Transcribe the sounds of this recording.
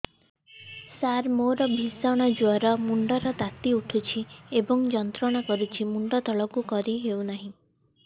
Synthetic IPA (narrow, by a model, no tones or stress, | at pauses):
saɾmoɾɔbʱisɔɽ̃ɔd͡ʒuɔɾɔmuɳɖɔɾɔt̪at̪iuʈʰut͡ʃʰiebɔŋd͡ʒɔnt̪ɾɔɽ̃ɔkɔɾut͡ʃʰimuɳɖɔt̪ɔɭɔkukɔɾiɦeuwnaɦĩ